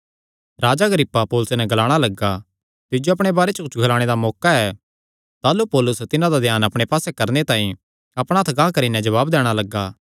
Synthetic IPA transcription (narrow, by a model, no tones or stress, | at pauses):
ɾaːd͡ʒaɡɾɪpːapoːlʊsenɛɡɐlaːɽ̃alɐɡa | t̪ɪd͡ʒjoɐp̬ɽ̃ebaːɾet͡ʃɐkʊt͡ʃʰɡʱɐlaːɽ̃ed̪amɔːkaɛ | t̪aːlupɔːlʊst̪ɪnãd̪ad̪ʱjaːnɐpɽ̃epaːsɛkɐɾnet̪ãːĩ | ɐpɽ̃aɐt̪ʰɡãːkɐɾinɛ̃d͡ʒɐβaːbd̪ɛːɽ̃alɐɡːaː